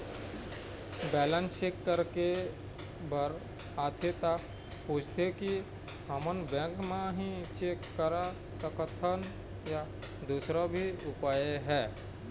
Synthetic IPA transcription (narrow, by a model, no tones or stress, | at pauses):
bɛːlə̃nsekːəɾke | bəɾ | aːt̪ʰet̪a | puːt͡ʃʰt̪ʰeki | həmənbɛ̃ːkmẽɦĩt͡ʃeːkːəɾa | səkət̪ʰən | jad̪uːsɾabʱiʊpaːjeɦɛː